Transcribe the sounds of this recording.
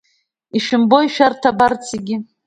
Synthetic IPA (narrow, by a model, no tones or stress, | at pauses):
iʃɪmbo̞iʃᶣartʰabart͡sʰeɡʲɪ